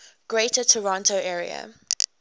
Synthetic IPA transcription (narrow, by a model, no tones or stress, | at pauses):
ɡ̥ɹetətʰəɹɔ̃ntoʊʔɛːɹḭə̰